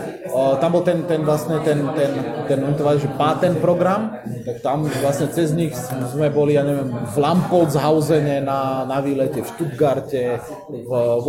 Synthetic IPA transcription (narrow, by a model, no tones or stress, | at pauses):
t̪ambɔlt̪ɛnt̪ɛnʋlast̪ɲɛt̪ɛnt̪ɛnt̪ɛnʋɛnt̪ɔʋaːliʒɛpaːt̪ɛnpɾɔɡɾam | t̪akt̪amvlasɲɛt͡sɛzɲixzmɛbɔlijaːɲɛʋɛmvlampɔlzɦaʊzɛɲɛnanaʋiːlɛcɛfʃt̪ud̪ɡaɾcɛ | v